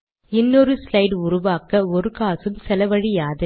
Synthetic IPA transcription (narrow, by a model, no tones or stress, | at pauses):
ɪnːɔɾɯslɐɪɖʊɾʊʋaːkɐɔɾɯkaːsɯmsɛlɐʋɐɻɪjaːðɯ